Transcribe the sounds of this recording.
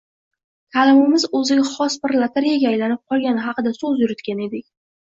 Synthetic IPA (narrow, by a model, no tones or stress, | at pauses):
t̪ʰalɪmɪmɪzɵzɪɡʲaχɒsbɪɾlˠat̪ʰaɾijaɡʲaajlanɪp̚qʰɒlˠɡʲanɪɦɑqɨd̪asɵzjʊɾɪt̪kʲane̞d̪ɪkʲ